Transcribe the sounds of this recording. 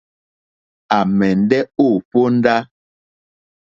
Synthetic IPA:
a˨mɛ˨n˦dɛ˦o˦˨po˦n̩˦da˦

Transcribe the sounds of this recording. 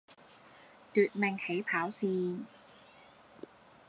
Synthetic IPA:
t̪yː˨˩t̪̚mɛ˨˧ŋhe˨˩˥jpʰaː˨˩˦wsiː˧

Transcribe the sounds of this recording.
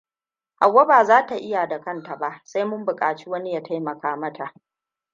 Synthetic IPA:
ha˨wːa˦baː˨zaː˦ta˨ʔɪ˦ja˨da˨kɐ˦nta˨ba˦ʔsa˦jmʊ˦mbʊ˨kʼaː˨t͡ʃi˦wɐ˦ni˦ja˦tʰa˦jmɐ˨kaː˨mɐ˦tʰa˨ʔ

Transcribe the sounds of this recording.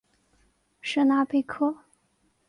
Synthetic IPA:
ʂə˥˧na˥pe˥˧ɪkʰɤ˥

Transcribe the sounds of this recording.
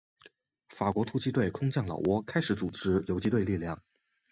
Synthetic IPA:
fa˨˩kwɔ˧˥t̪ʰu˥t͡ɕi˥t̪we˥˩ɪkʰʊ˥ŋt͡ɕjɑ˥˩ŋlɑ̰˨˩ʊwɔ˥kʰa˥ɪʂɻ̩˧˥t͡su˨˩ʈ͡ʂɻ̩˧˥jo˧˥ʊt͡ɕi˧˥t̪we˥˧ɪli˥˧ljɑ˥˩ŋ

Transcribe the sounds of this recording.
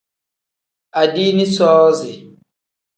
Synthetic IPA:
a˨di˦ni˦sɔː˦zi˨

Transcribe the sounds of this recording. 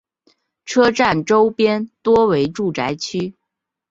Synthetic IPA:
ʈ͡ʂʰɤ˥ʈ͡ʂa˥˩nʈ͡ʂo˥ʊpjɛ˥nt̪wɔ˥we˧˥ɪʈ͡ʂu˥˩ʈ͡ʂa˧˥ɪt͡ɕʰy˥

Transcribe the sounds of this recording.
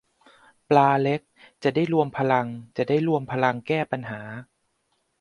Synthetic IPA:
plaː˧le˦˥k̚t͡ɕa˨˩da˥˩jɾu˧əmpʰa˧la˧ŋt͡ɕa˨˩daː˥˩jɾu˧əmpʰa˧la˧ŋkɛː˥˩pa˧nɦaː˩˦

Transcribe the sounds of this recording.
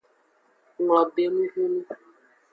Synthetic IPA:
ŋɔ˨be˨nu˦ɦe˦nu˦

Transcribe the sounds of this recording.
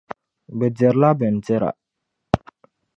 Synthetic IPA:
bɛ˨dɛ˨ɾla˦bɛ˨n˨d͡ʒɛ˦ɾa̰˨

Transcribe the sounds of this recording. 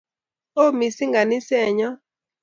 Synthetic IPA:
o˦˨mi˨si˦ŋɡa˨nɪ˦sɛ˦˨ɲɔ˦

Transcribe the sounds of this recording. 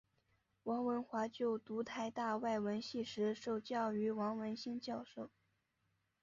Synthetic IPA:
wɑ˧˥ŋwə˧˥nxwa˧˥t͡ɕjo˥˩ʊt̪u˧˥t̪ʰa˥˧ɪt̪a˥˧wa˥˩ɪwə˧˥nɕi˥˩ʂɻ̩˧˥ʂo˥˩ʊt͡ɕjɑ˥˩ʊy˧˥wɑ˧˥ŋwə˧˥nɕi˥nt͡ɕjɑ˥˧ʊʂo˥˩ʊ

